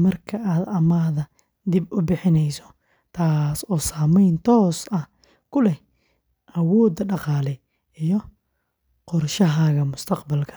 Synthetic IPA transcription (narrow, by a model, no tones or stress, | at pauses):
mɐrkʰɐʔaːd̪ɐmaːðɐ | d̪ɪbʊbɪħɪnɛjsɔ̥ | t̪ʰaːsɔːsaːmɛjnt̪ʰɔːsɐh | kʰʊlɛ | ʔɐwɔːd̪ɐɖɑqɑːlɛ | ijɔ | qɔrʃɐɦaːɣɐmʊst̪ʰɐqbɐlkʰɐ̥